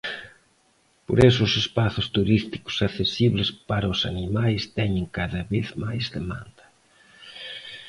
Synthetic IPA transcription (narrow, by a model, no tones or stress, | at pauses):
po̰ɾesʊːsespaθʊst̪uɾist̪i̥kʊ̥saθesiβlɪspaɾɐʊsanimajst̪ɛɲɪ̃ŋkaðɐβeθmajzðemã̰nd̪ɐ